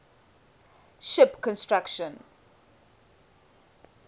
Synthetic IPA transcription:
ʃɪpkʰɔ̃nstɹakʃə̃n

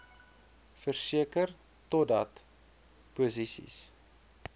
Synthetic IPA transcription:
fərsiəkər | tɔdɐt | puzisḭs

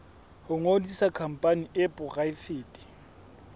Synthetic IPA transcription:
hʊŋodisakʰam̩pʼaniʔɪpʼʊɣaifeːtʼi̥

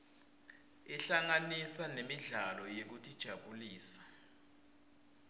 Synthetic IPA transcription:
iɬaŋanisanemiɮalɔjek̬utʼid̥ʒ̥ʱaɓuliːsḁ

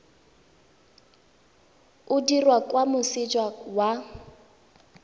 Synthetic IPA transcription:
ʊdirwakʼwamʊsɪd͡ʒwawa

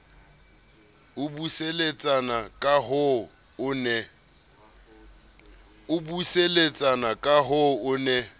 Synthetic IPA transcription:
ʊbuselet͡sʼanakʼaɦʊ | ʊnɛ | ʊbuselet͡sʼanakʼaɦʊʊnɛ

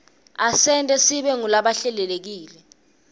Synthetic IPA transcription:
asɛntʼɛsiɓɛŋulaɓaɬɛlɛlek̬iːlɛ

